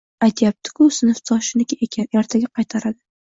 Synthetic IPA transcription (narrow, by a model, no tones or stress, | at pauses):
ajt̪ʰjap̚t̪ʰɪ̥kʲʰʊsɪnɨft̪ʰɒʃɪnɪkʲajaɾt̪ʰaɡʲaqʰɑjt̪ʰaɾad̪ɪ